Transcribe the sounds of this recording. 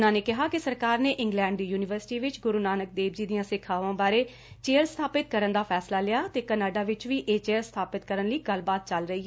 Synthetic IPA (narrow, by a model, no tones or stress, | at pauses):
nãːneːkɪɦaːkɪsəɾkaːɾneːʔɪ̃ŋɡlɛ̃ːɳɖijuːnɪʋəɾsɪ̥ʈiːʋɪt͡ʃɡʊɾuːnaːnək̚d̪eːbd͡ʒiːd̪ɪjãːsɪkʰaːʋãːbaːɾeː | t͡ʃeːəɾst̪ʰaːpɪt̪̚kəɾənd̪aːpʰɛːslaːlɪjaːt̪eːkənaːɖaːʋɪt͡ʃʋiːʔeːt͡ʃeːəɾst̪ʰaːpɪt̪̚kəɾənləiːɡəlbaːt̪̚t͡ʃəlɾəiːɛ